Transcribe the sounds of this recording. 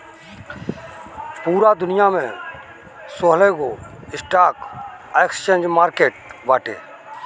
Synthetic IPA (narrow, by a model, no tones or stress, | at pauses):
puːɾad̪ʊnɪjamẽ | soːɦleːkoɪsʈaːk | ekst͡ʃẽːnd͡ʒmaːɾkeːʈ̚ʋaːʈḛː